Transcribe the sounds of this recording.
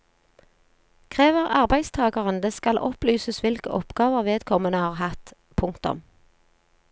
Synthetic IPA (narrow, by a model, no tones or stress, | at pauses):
kʰʁeːʋəʁɑʁbæɪst̪ʰɑːɡəʁənd̪əskɑlʔɔplyːsəsʋɪlkə̰ʔɔpɡ̥ɑːʋəʁʋeːd̪kʰɔmənəhɑːʁhɑt̪ | pʰʊŋkt̪ʊ̰m